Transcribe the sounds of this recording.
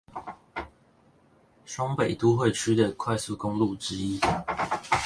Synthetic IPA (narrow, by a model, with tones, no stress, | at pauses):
ʂwɑ˥ŋpe˨˩ɪt̪u˦xwe˥˨ɪt͡ʃʰy˥d̪ə˨kʰwa˥˧ɪsu˥˨kʊ˦˥ŋlu˥˨ʈ͡ʂɻ̩˦i˦˥